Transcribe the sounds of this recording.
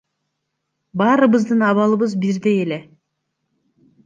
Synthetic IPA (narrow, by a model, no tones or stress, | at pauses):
bɑːɾɯβɯzd̪ɯnɑβɑlˠɯβɯzbiɾd̪e̞jele̞